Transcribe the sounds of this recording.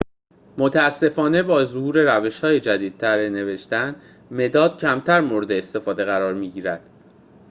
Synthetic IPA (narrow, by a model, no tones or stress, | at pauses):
mot̪ʰææsːe̞fɒːne̞bɒːzohuːɾe̞ɾæve̞ʃhɒːjed͡ʒæd̪iːd̪̚t̪ʰæɾene̞ve̞ʃt̪ænd̪ | me̞d̪ɒːd̪̥̚cʰæmt̪ʰæɾmoɾe̞d̪eːst̪e̞fɒːd̪e̞ɣæɾɒːɾmiːɟiːɾæd̪̥